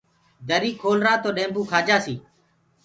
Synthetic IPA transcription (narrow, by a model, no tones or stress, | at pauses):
d̪əɾiːkʰoːlɾaːt̪oːɗẽːmbũːkʰaːd͡ʒaːsiː